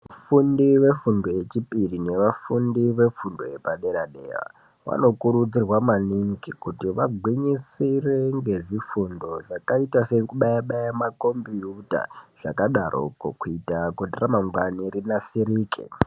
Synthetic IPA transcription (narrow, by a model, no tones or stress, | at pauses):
ʋafundiʋe̞fundo̞je̞t͡ʃipirine̞ʋafundiʋe̞fundo̞epaɗeɾaɗḛːra̰ | ʋa̰no̞kuɾud͡zirwamaniŋɡikutiʋaɡʱwiɲisireŋɡe̞ʐifundo̞ʐakaitasekuɓajaɓajamako̞mbijuta̰ʐ̥a̰kaɗarʔo̰kokuitakoteramaŋɡwanirinasiɾiːkḭ